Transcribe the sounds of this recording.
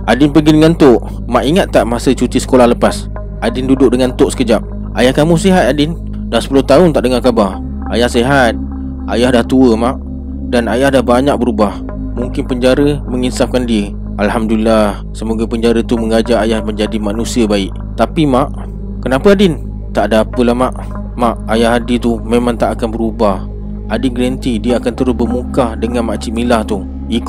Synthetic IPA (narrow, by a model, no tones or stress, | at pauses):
ʔadɪnpəɡidəŋant̪oʔ | maʔiŋat̪ːaʔmasət͡ʃut̪isə̥kolahləpas | ʔadɪndudʊk̚dəŋant̪oʔsə̥kəd͡ʒap̚ | ʔajahkamũseɦat̪̚adɪn | dahsə̥pulʊht̪aʊnt̪aʔdəŋakabar | ajahseɦat̪̚ | ʔajahdaht̪uəmaʔ | danajahdahbaɲak̚bəɾubah | muŋkɪnpəɲd͡ʒaɾəməŋisaf̚kandiə | alhamdulilah | səmoɡapəɲd͡ʒaɾət̪uməŋad͡ʒaajahməɲd͡ʒadimanusiəbaɪʔ | t̪apimaʔ | kənapəadɪn | t̪aʔdaapəlahmaʔ | maʔajahɦadit̪umemãŋt̪aʔakanbəɾubah | adɪnɡlənt̪idiəakant̪əɾʊsbəmukahdəŋanmaʔt͡ʃiʔmilaht̪u | ik